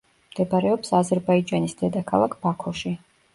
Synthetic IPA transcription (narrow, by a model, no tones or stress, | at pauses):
md̪̥ɛbaɾɛɔpsazɛɾbaid͡ʒanisd̪ɛd̪akʰalˠakʰb̥akʰɔʃi